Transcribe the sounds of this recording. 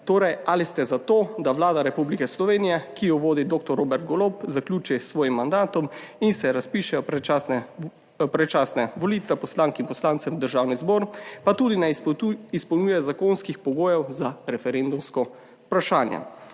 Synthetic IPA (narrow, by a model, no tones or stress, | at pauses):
t̪oːɾɛjalist̪ɛzat̪oːd̪aʋlaːd̪aɾɛpublikɛslɔʋeːnijɛkijɔʋoːd̪id̪oːk̚t̪ɔɾːobɛɾt̪̚ɡɔlopzaklʲuːt͡ʃisʋɔːjimːand̪aːt̪ɔm | insɛɾaspiːʃɛjɔɾɛt͡ʃasnɛ | pɾɛt͡ʃaːsnaʋɔlit̪ʋɛpɔslaːŋkinpɔslaːnsɛmd̪əɾʒaːwnizbɔːɾpat̪ud̪inɛispɔwnuːjɛzakoːnskixpɔɡoːjɛwzaɾɛfɛɾend̪umskɔ | pɾaʃaːnjɛ̰